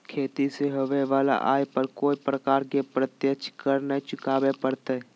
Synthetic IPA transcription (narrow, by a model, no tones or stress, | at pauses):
kʰeːt̪iseɦəʋeʋaːla̰ʔa̰ːjpəɾkoːipɾəkaːɾkepɾət̪jət͡ʃʰkəɾnet͡ʃʊkaːbepəɽt̪e